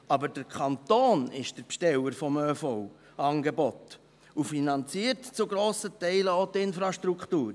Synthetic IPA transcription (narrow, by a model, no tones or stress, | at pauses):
ɑbəɾd̥əɾkʰχɑnt̪oːnɪʃd̥əɾpʃtɛləɾfɔmøfɔʊ | ɑːnɡebɔt | ufinɑnt͡siəɾtt͡suɡɾoːsətɛɪləotɪnfɾɑʃtɾukχtuːɾ